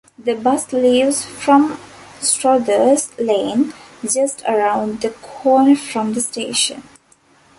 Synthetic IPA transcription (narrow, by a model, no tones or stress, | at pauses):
d̪əbʌsliːʋzfɾɔ̃msʈɾɔd̪əzlẽːnd͡ʒʌsʈʰəɾãʊ̃ɳɖd̪əkʰɔːnəfɾɔ̃md̪əsʈeːʃə̰̃n